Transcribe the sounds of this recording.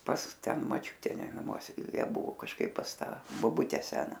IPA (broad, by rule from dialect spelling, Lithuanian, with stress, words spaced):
pɐs ˈtʲɛn mɐˈt͡ʃʲuːtʲɛ nɐˈmuɔsʲɛ ˈjiɛ ˈbʊʋoː kɐʃˈkɐɪp pɐs ˈtɐ boːˈbʊtʲɛ ˈsʲæːnɐ